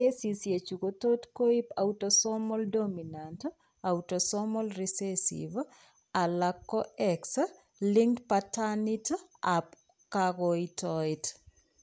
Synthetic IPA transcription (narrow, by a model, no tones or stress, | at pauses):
esisjet͡ʃukot̪otkoipautosɔmɔldominant | awtosɔmɔlrisesḭv | alakːɔɛks | liŋtpatanitap | kaɡɔitɔit